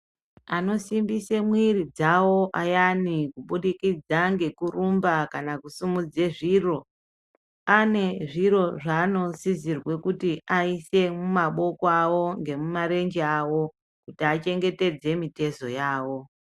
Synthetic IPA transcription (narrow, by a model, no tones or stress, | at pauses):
ano̞simbisemwiɾid͡zawo̞ʔajanikuɓuɗikid͡zaŋɡe̞kurumbakanakusumud͡zeʐiːro̞ | ane̞ʐiro̞ʐaːno̞sizirwe̞kutiaise̞mumaɓo̞koawo̞ŋɡe̞mumaɾe̞nd͡ʒeawo̞ | kutiat͡ʃe̞ŋɡe̞te̞d͡ze̞mite̞so̞jaːwo̞